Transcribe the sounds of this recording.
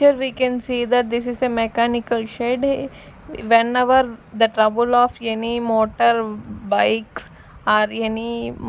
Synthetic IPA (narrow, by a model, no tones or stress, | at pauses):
əɾʋikɛ̃nsiːd̪əɾd̪ɪsɪzsemɛkaːnɪkəlʃeːɖɦe | ʋɛnɛʋəɾd̪əʈɾɐbəlɔːfjanimoːʈəɾbaɪks | aːɾjani